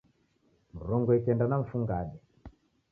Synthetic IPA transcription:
m̩ɾɔŋɡɔɛkɛndanaɱ̩fuŋɡaɗɛ

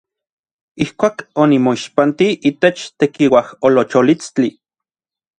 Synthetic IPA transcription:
ihkʷaːkonimoiʃpant̪iʔit̪et͡ʃt̪ekiwaholot͡ʃolit͡st͡ɬi

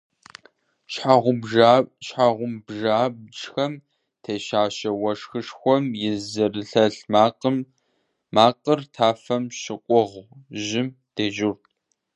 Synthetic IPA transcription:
ʃħaʁʷʊbʒaʃħaʁʷʊmbʒaːbʈ͡ʂxɐm | tʰeʃaːʃɐwɐʂxɨʂxʷɔmjɪzɨrɨɬɐɬmaːqəmː | aːqərtʰaːfɐmʃɪkʷʼʊʁʒɪm | d̥eːʒʊrtʼ

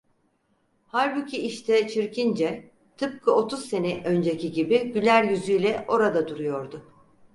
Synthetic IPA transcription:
haɾbicʰiiʃt̪ʰɛt͡ʃʰiɾcind͡ʒɛ | t̪ʰɯp̚kʰɯo̞t̪ʰuzse̞nɛʔø̞nd͡ʒecʰiɟibiɟylʲæɾjyzyjlʲɛʔo̞ɾad̪ad̪uɾujo̞ɾd̪ʊ

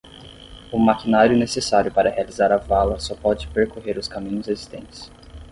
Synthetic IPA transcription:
ʊmakinaɾjʊnesesaɾjʊpaɾɐhealizaɾɐvalɐsɔpɔd͡ʒɪpeɾkoɦeɾʊskamĩɲʊzezist̪ẽnt͡ʃɪ̥s

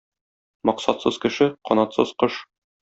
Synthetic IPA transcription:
mɒqsɑt̪sɤz̥kɘ̆ʃɘqɒnɑt̪sɤ̰z̥qɤʃ

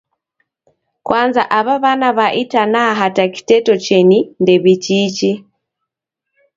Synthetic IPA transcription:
kwʔaːnza̰ʔaβaβanaβaʔitanaɦataki̥tetot͡ʃenindeβit͡ʃit͡ʃi

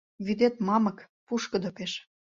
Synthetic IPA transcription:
βyd̪et̪mɑmɤ̆k | puʃkə̆d̪opeʃ

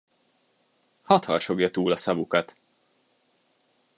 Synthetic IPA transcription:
hɒt̪hɒrʃo̞ɡjɒt̪uːlɒsɒvukɒt̪

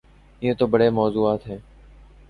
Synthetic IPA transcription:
ɪːẽːt̪oːbəɽeːmɔːzuːaːt̪ɦẽː

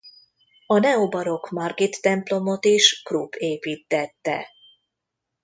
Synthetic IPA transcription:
ɒnɛobɒɾo̞kmɒrɡit̪ːɛmplo̞mo̞t̪iʃkruːpʰeːpiːt̪ːɛt̪ːɛ̰

